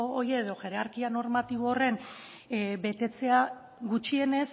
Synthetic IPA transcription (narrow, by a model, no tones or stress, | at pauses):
ojeːðo̞ʝe̞ɾeaɾkiano̞ɾmat̪iβ̞oːre̞n | be̞t̪e̞t͡se̞a | ɡut͡ʃie̞ne̞s